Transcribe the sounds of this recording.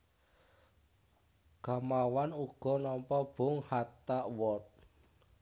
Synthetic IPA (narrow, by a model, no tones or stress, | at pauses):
ɡ̥a̤mawanuɡ̥ɔ̤nɔmpɔb̥ʊ̤ŋhat̪aʔwɔt̪̚